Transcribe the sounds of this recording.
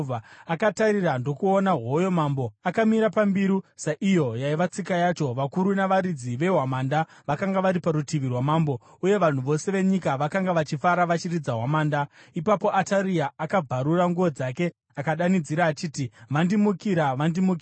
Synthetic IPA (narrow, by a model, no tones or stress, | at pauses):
vʱaakataɾirando̞kuonaɦojo̞mambo̞akamiɾapambiɾusaʔijo̞jaiʋat͡sikajat͡ʃo̞ʋakuɾunaʋaɾid͡ziʋe̞ɦwamaːnda | ʋakaŋɡaʋaɾipaɾutiʋirwamaːmbo̞ | uje̞ʋan̤uʋo̞se̞ʋe̞ɲikaʋakaŋɡaʋat͡ʃifaɾaʋat͡ʃirid͡zaɦwamaːndaipapo̞ʔataɾiaːkab͡vʱaɾuraŋɡuʋo̞d͡zake̞ | akaɗanid͡ziɾaːt͡ʃiːtiʋandimukiɾaʋandimuki